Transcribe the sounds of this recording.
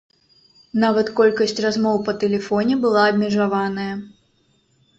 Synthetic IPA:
navɐt̪kɔlʲkɐsʲt͡sʲrazmɔwpɐt̪ɛlʲɛfɔnʲɛbɨlˠaɐbmʲɛʐavanɐjɐ

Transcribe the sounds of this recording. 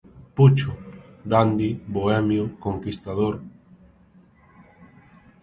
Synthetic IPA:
put͡ʃʊd̪and̪iboɛmjokoŋkist̪aðoɾ

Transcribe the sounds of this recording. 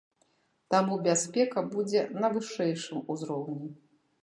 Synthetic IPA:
t̪amubʲasʲpʲɛkɐbud͡zʲɛnɐvɨʂɛjʂɨmuzɾɔwnʲɛ

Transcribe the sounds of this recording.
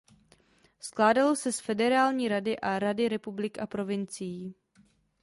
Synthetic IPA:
sklaːdalo̞sɛsfɛdɛɾaːlɲiːɾadɪʔaɾadɪɾɛpublɪkapɾo̞vɪnt͡sɪjiː

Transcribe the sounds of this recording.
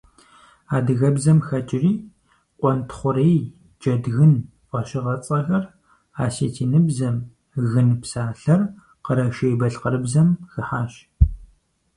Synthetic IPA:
aːdɨɣɐbzɐmxɐt͡ʃʼɪriː | qʷʼɔntʰχʷʊɾej | d͡ʒɐdɣɨn | ʔʷʼɐɕɪʁɐt͡sʼɐxɐr | aːsḛːtʰiːnɨbzɐm | ɣɨnpsaːɬɐr | qəɾɐʃejbɐɬqəɾɨbzɐmxɨħaːɕ

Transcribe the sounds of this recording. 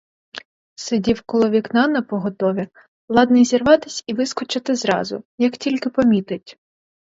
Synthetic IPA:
sɪdʲiwkɔlˠɔʋʲiknɑnɐpɔɦɔt̪ɔʋʲi | lˠɑd̪nɐjzʲirʋɑt̪ɪsʲiʋɪskɔt͡ʃɐt̪ɪzɾɑ̰zʊ̰jɐktʲilʲkɪpɔmʲit̪ɪtʲ

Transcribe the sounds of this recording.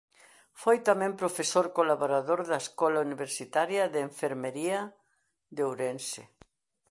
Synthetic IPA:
fojt̪amɛ̃mpɾofesoɾkolaβoɾaðoɾðaeskɔlauniβeɾsit̪aɾjɐðeːɱfeɾmeɾiɐ | ðeowɾensḛ

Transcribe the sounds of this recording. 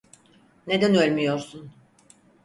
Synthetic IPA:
ne̞d̪ænø̞lʲmyjo̞ɾsun

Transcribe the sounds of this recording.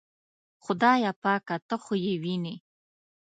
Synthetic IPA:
xʊd̪ɑjapɑkat̪əxojewine

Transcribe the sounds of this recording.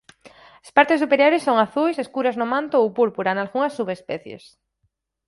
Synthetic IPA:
aspaɾt̪ɪsːupeɾjoɾɪsːoŋaθujseskuɾɐznʊmãnt̪oowpuɾpuɾanalɣuŋɐsːuβespɛθjḛs

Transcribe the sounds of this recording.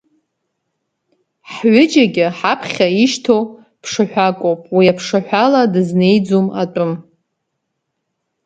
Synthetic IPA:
ħɥʊd͡ʒaɡʲɪħapʰχʲaiʃtʰow | pʰʂɨħᶣʷakʷʼowpʼwiapʰʂɨħᶣʷaladɨzne̞jd͡zuma̰tʷʼʊm

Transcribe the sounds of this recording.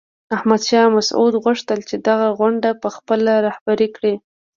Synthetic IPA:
ahmad̪ʃɑmasṵd̪ɣʊʂt̪əlt͡ʃed̪aɣaɣwaɳɖapəxpəlaɾahbaɾikɽi

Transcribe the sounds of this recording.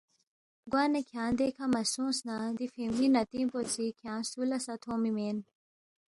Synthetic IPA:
ɡwaːnekʰjãːnd̪ekʰɐmɐsũːsnad̪ifiminɐt̪ĩːpot͡sikʰjãːsuːlɐsɐt̪ʰoːmimen

